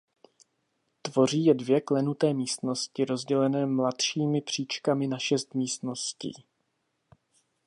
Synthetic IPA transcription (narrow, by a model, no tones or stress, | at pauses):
t̪vo̞r̝iːjɛdvjɛklɛnut̪ɛːmiːst̪no̞scɪɾo̞zɟɛlɛnɛːmlat̪ʃiːmɪpr̝̥iːt͡ʃkamɪnaʃɛst̪miːst̪no̞scḭː